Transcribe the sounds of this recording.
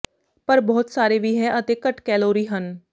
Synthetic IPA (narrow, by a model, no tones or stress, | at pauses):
pɐɾbɔɦːʊt̪saːɾebʱiɦɛ̃ʔɐt̪ekɐʈkɛːloːɾiɦən